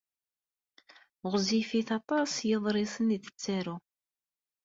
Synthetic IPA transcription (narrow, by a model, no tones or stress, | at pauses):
ʁzifiθɑt̪ˤɑsjəðˤɾˤɪsəniθə̥t͡sːaɾu